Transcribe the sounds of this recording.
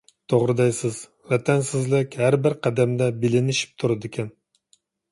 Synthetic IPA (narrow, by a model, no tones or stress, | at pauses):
t̪ʰoʁɾɨd̪ɛjsɪz̥ | vɛt̪ʰɛnsɪzlɪkʲhæɾbɪɾqʰæd̪æmd̪ɛbɪlɪnɪʃi̥p̚t̪ʰuɾɨd̪ɪkʲʰɛn